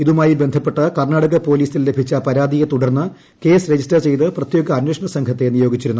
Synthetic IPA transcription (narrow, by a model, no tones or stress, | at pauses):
iðumaːjibe̞nd̪ʱɐpːe̞ʈːɐkɐrɳaːɽɐɣɐpo̞ːliːsille̞bʱit͡ɕːɐpɐɾaːd̪ijet̪uɽɐrnːɨ | ke̞ːsɾe̞d͡ʑisʈɐrt͡ɕe̞jt̪ɨprɐt̪jo̞ːɡɐːnwʂɐɳɐsɐŋkʰɐt̪ːe̞nijo̞ːɡit͡ɕːiɾunːu